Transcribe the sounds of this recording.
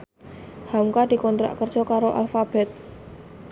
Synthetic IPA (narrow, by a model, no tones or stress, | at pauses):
hauŋkaɖ̪̥i̤kɔnt̪ɾa̰ʔkərdd͡ʒ̥ɔkaɾoʔa̰lfab̥ɛt̪̚